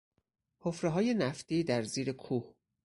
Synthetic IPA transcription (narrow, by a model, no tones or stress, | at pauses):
hʰofɾeɦɒːje̞næft̪iːd̪æɾziːɾe̞kʰuːh